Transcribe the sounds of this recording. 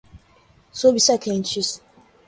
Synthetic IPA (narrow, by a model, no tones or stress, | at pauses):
sobisɛkʰɛ̃nt͡ʃis